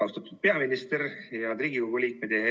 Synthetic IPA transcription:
ɑst̪ɑt̪ːud̪̥̚pe̞ɑminist̪eɾjɑd̪ɾiːɡiɡoɡ̥ulʲiːk̚med̪̥e

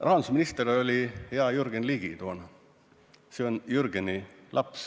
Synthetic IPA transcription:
rɑɦɑnd̪usminist̪eɾeolʲiheɑjuɾɡ̥enliːɡ̥it̪oːn | seonjurɡ̥enilʔɑps

